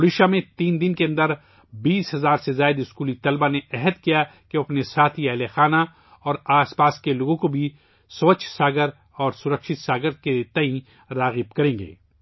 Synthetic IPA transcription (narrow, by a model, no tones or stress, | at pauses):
ʊɾiːʃamẽt̪iːnd̪ɪnkeɐ̃nd̪əɾ | biːsɦɐzaːɾsezaːɪd̪ʊskuːlit̪ɐlbaneɛɦəd̪kijakeɐpnesaːt̪ʰiɛɦlexaːna | ɔːɾaːspaːskeloːɡõkobʱi | sɐʋət͡ʃʰsaːɡəɾ | ɔːɾsʊɾəkʃɪt̪saːɡəɾket̪ɐĩ | ɾaːɣɪb̚kɐɾẽːŋɡḛː